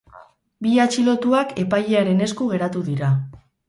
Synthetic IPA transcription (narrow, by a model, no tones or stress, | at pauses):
biat͡ʃilo̞t̪uake̞pajeaɾe̞ne̞skuɣ̞e̞ɾat̪uðiɾa